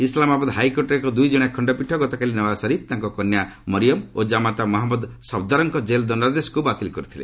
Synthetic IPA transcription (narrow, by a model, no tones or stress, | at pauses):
islamabad̪ɦajkoʈɔɾekɔd̪ujd͡ʒɔɽ̃akʰɔɳɖɔpiʈʰːɔɡɔt̪ɔkalinɔwasɔɾib̚t̪aŋkɔkɔnja | mɔɾijɔmod͡ʒamat̪amɔɦamɔd̪sɔb̚d̪aɾɔŋkɔd͡ʒeld̪ɔnad̪esɔ̥kubat̪ilkɔɾut̪ʰilḛ